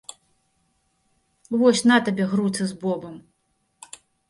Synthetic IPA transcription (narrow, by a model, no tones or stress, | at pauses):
vɔsʲnat̪ɐbʲɛɣrut̪sɨzbɔbɐm